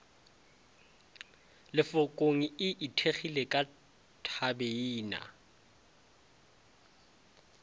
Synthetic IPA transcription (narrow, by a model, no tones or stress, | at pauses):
lɪfʊkʼoŋ̩ɪʔitʰeχilekʼa | tʰabeiːna̰